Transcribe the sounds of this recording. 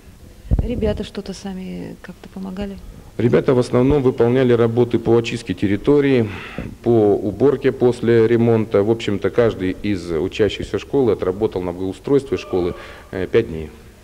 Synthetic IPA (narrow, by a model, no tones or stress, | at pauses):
ɾʲɪbʲat̪əʂt̪ot̪əsamʲɪkak̚t̪ə̥pəmɐɡalʲɪɾʲɪbʲat̪əvəsnɐvno̞mvɨpɐlˠnʲælʲɪɾɐbo̞t̪ɨpoɐt͡ɕist̪̚kʲɪtʲɪɾʲɪt̪o̞ɾʲɪːpoʊbo̞rkʲɪpo̞sʲlʲɪɾʲɪmo̞nt̪əvo̞pɕːɪmt̪əkaʐd̪ɨjɪzʊt͡ɕæɕːɪxsʲəʂko̞lˠɨɐt̪rɐbo̞t̪əlˠnəbɡəʊst̪ɾojst̪vʲɪʂko̞lˠɨ | pʲæt̚dʲnʲḛj